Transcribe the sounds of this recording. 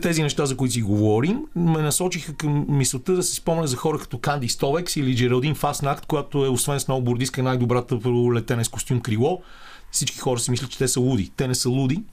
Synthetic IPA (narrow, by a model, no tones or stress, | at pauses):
t̪ɛzinɛʃt̪azɐkoit̪̬iɡovɔɾimːɛnɐsɔt͡ʃixəkəmːisˠot̪əd̪ɐsɛ̥spɔmɛnɛzɐxɔɾəkɐ̥t̪ɔkand̪ist̪ɔvɛksilid͡ʒɛɾɛlˠd̪infasnakt̪kojat̪oɛosvɛnsnɔɡʊbʊɾd̪iskənajd̪obɾat̪əplɛt̪ɛnɛskost̪ʲumkɾivˠɔ | fsit͡ʃki̥xɔɾəsɛmislət͡ʃɛ̥t̪ɛsəlˠud̪ḭt̪ɛnɛsəlˠud̪i